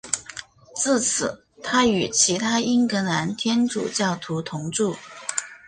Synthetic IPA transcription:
t͡sɹ̩˥˩t͡sʰɹ̩˨˩˦ | t̪ʰa˥y˨˩t͡ɕʰi˧˥t̪ʰa˥i˥nkɤ˧˥na˧˥nt̪ʰjɛ˥nʈ͡ʂṵ˨˩t͡ɕjɑ˥˩ʊt̪ʰu˧˥t̪ʰʊ˧˥ŋʈ͡ʂu˥˩

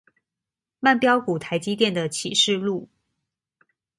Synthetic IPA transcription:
ma˥˩npjɑ˥ʊku˨˩t̪ʰa˧˥ɪt͡ɕi˥t̪jɛ˥˩nd̪ə˩t͡ɕʰi˨˩ʂɻ̩˥˧lu˥˩

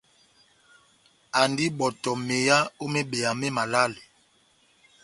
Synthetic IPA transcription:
a˨ndi˦ɓɔ˨tɔ˨me˨ja˦o˦me˦be˨ja˨me˦ma˨la˦le˨

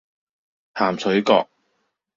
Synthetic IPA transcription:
haː˨˩msʰɵ˨˥ɥkɔː˧k̚

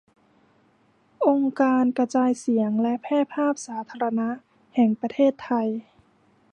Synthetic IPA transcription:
ʔo˧ŋkaː˧nka˧t͡ɕaː˧jsi˨˩˦əŋlɛ˦˥ʔpʰɛː˥˨pʰaː˥˩p̚saː˩˦t̪ʰaː˧ɾa˧na˦˥ | hɛː˨˩ŋpa˧t̪ʰeː˥˩t̪ʰːa˧j

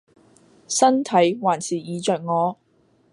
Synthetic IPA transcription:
sɐ˥nt̪ʰɐ˨˥jwaː˨˩nsʰiː˨˩jiː˨˧t͡ʃœː˨k̚ŋɔː˨˧

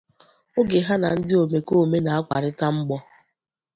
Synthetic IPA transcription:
ʊ˦ɡe˨ɦa˦na˨n̩˦dɪ˦o˨me˨ko˦˨me˦na˨a˦kʷa̰˨ɾɪ˦ta˦ŋ͡m̩˦ɡ͡bɔ˦

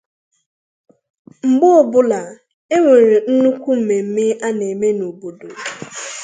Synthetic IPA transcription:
ŋ͡m̩˨ɡ͡bʊ˦˨bʊ˦la˨ | e˦ŋʷe˨ɾe˨n̩˦nu˦kʷu˦m̩˨me˨m̩˦me˦a˦ne˨me˦no˨bo˨do˨

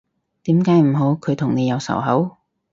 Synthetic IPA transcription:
t̪iː˨˥mkaː˨˥jm̩˨˩ɦo˨˥wkʰɵ˨˧jt̪ʰʊ˨˩ŋne˨˧jɐ˨˧wsɐ̰˨˩wɦɐ̰˨˥w

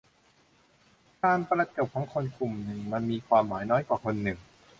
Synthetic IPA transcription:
kaː˧npɾa˧kɯ˨˩p̚kʰɔ˩˧˥ŋkʰo˧nkʰu˨˩mnɯ˨˩ŋma˧nmiː˧kʰwaː˧mːaː˩˦jnɔː˦˥jkwaː˨˩kʰo˧nːɯ˨˩ŋ

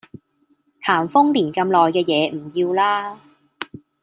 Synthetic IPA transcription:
h̪ʰaː˨˩mfʊ˥ŋliː˨˩nkɐ˧mlɔː˨jkɛː˧jɛː˨˧m̩˨˩jiː˧wlaː˥

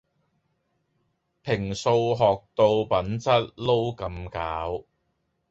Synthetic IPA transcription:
pʰɪ˨˩ŋso˧wɦɔː˨k̚t̪o˧wpɐ˨˥nt͡sɐ˥t̚lo˥wkɐ˧mkaː˨˥w

